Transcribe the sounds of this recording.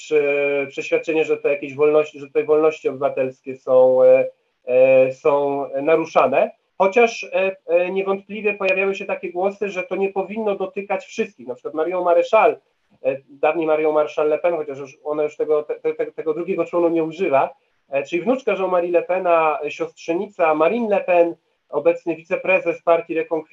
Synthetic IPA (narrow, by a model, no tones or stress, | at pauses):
ʂpʂɛɕfʲjat̪̚t͡ʂɛɲɛʐɛt̪ɛjakʲeʑvɔlnɔɕt͡ɕiʐɛt̪t̪ɛvɔlnɔɕt͡ɕiɔbɘvat̪ɛlskʲɛsɔ̃w̃ | sɔ̃w̃naɾuʂanɛ | xɔt͡ɕaʂ | ɲɛvɔnt̪̚plʲivʲjɛpɔjavʲjawɘɕɛt̪akʲɛɡwɔsɘʐɛt̪ɔɲɛpɔvʲinːɔd̪ɔt̪ɘkat͡ɕfʂɘst̪̚kʲixnapʂɘ̥kwat̪maɾjɔ̃w̃maɾɛʂal | d̪avɲimaɾjɔ̃w̃maɾɛʂalːɛpɛnxɔt͡ɕaʂ̬juʂɔnajuʂt̪ɛɡɔt̪ɛt̪ɛt̪ɛt̪ɛɡɔd̪ɾuɡʲɛɡɔt͡ʂɔnuɲɛuʐɘva | t͡ʂɘlʲivnut͡ʂkaʐɛwmaɾʲilɛpɛnaɕɔstʂɛɲit̪samaɾinlɛpɛn | ɔbɛt̪sɲɘvʲit̪sɛpɾɛzɛspaɾt̪ʲiɾɛkɔŋk